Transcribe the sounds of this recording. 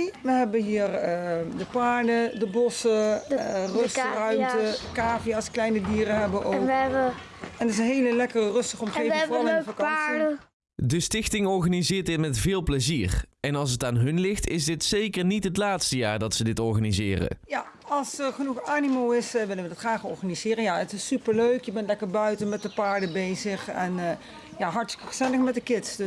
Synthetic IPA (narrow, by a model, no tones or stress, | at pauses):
ʋəɦɛbəɦiːrədəpaːɹdədəbɔsə | røsrœɥmtəkaːfijaːsklɛjnədiːɾəɦɛbəʔowkə | ɛndəɪsənɦejləlɛkərərɵstəχɔmχejvɑlfakɑnsi | dəstɪxtɪŋɔɹχanizɪːɹt̚dɪtmɛtv̥ɪːlˠpləziːrɛnɑlˠs̬ətaːnɦɵnlɪxtɪzdɪtsejkəɹnitɦətlaːtstəja̰ːɹdɑtsədɪtɔɹχanizɪ̰ːrə̰ja | ɑlˠsərχənuχaːnimowɪsəʋɪlənʋədɑtχraːχɔ̰ɹχanizɪːrənjaətɪsypəɹløɥkjəbɛntlɛkəɹbœɥtənmɛt̚dəpaːɹdəbejzəχɛn | jaɦɑɹtstɪkəχəz̥ɛləχmɛt̚dəkɪtsd